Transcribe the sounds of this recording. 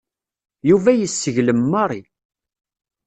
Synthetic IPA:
juvæjəsːəʝləmːɑɾˤi

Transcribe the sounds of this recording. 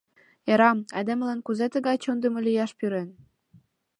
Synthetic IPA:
eɾɑmɑjd̪emlɑnkuzet̪ə̆ɣɑjt͡ɕond̪ə̆mə̆lijɑʃpyɾen

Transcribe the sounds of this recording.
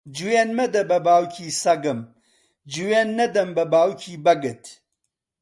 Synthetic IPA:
d͡ʒuweːnmɐd̪ɐbɐbaːwcʰiːsɐɡɨm | d͡ʒuweːnːɐd̪ɐmbɐbaːwkʰiːbɐɡɨt̪

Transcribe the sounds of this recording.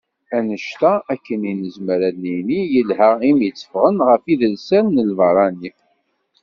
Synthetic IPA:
ænəʃt̪æækːəninəzməɾænːinijəlhæimjət͡sːə̥fʁənʁəfiðəlsælnəlvɑɾˤɑni

